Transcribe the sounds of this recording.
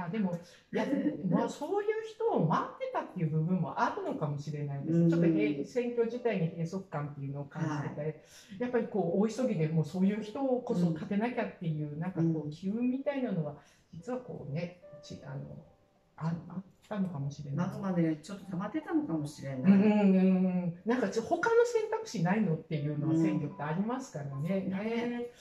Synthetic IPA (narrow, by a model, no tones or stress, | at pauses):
jaːd̪e̞mo̞ | jamoso̞ːjɯ̟ːçi̥t̪o̞ːmat̪ːe̞t̪at̪ːe̞jɯ̟bɯ̟bɯ̟̃mmo̞̰ʔaɾɯ̟no̞kamo̞ɕiɾe̞naid̪e̞sɨt͡ɕo̞t̪ːoɡeit͡sɨ̥sẽ̞ŋkʲo̞ːʑit̪aiɲ̟ihe̞ːso̞kɯ̥kːãnt̪ːe̞jɯ̟no̞ːkãnd͡ʑit̪et̪a | japːaɾʲiko̞ːiso̞ɡʲid̪e̞mo̞ːso̞ːjɯ̟ːçi̥t̪o̞ːko̞so̞kat̪e̞nakʲat̪ːe̞jɯ̟ːnãŋkako̞ːkʲiɯ̟̃mmʲːit̪ainano̞βa | d͡ʑit͡sɨβako̞̰ːne̞t͡ɕiʔa̰no̞̰ | aɾɯaː | ano̞kamo̞ɕiɾe̞namanet͡ɕo̞t̪ːot̪amat̪ːe̞t̪ano̞kamo̞ɕiɾe̞nːɯ̃ɯ̟̃ːɴ̃nãŋkat͡ɕoho̞kano̞sẽ̞nt̪akɯ̟̥ɕinaino̞t̪ːe̞jɯ̟ːno̞βasẽ̞ŋkʲo̞t̪ːe̞aɾʲimasɨ̥kaɾane̞ne